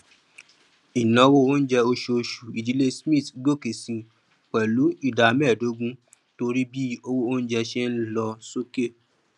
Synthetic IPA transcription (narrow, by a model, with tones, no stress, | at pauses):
i˨nã˨˦wo˦o˦n̩˦d͡ʒɛ˧o˧ʃo˧ʃu˨i˨d͡ʒi˨˦le˦smĩ˦˨tɡo˦˨ke˨sĩ˧ | k͡pɛ˨lu˨˦i˦˨da˨˧mɛ˦˨do˨˦ɡũ˦ | to˧ɾi˦bi˦o˦wo˦o˦n̩˦d͡ʒɛ˧ʃɛ˦n̩˦lɔ˧so˦ke˦˨